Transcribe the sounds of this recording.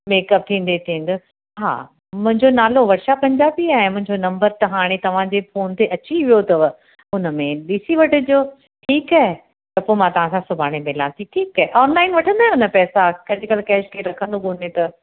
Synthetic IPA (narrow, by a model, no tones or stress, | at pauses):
meːkɐp̚t̪ʰĩːn̆d̪et̪ʰĩːn̆d̪ʊ | ɦa̰ː | mʊ̃ɦɪ̃ɲd͡ʑonaːloʋɐɾʃapːɐ̃ɲd͡ʑaːbiaːɦemʊ̃ɦɪ̃ɲd͡ʑonɐ̃mbəɾt̪ɐɦaːɽ̃et̪ɐʋ̤ãd͡ʑefoːnt̪eʔɐt͡ɕiʋijot̪ɐʋ | ʊnəmẽɗisiʋɐʈʊ̆d͡ʑoː | ʈʰiːkaːɦe | t̪ɐpoːmãt̪ɐʋ̤ãsãsʊbʱaːɽ̃emelãːt̪ʰiʈʰiːkaːeʔɔːnlaːɪnʋɐʈʰə̃nd̪aːɦẽʊnəpɛːsakɐd͡ʑʱʊkɐlkɛːʃkʰeɾɐkʰə̃nd̪okonet̪ɐ